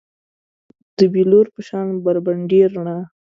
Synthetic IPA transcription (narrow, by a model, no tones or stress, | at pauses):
d̪̥əbiloɾpəʃɑnbaɾbaɳɖeɾɳa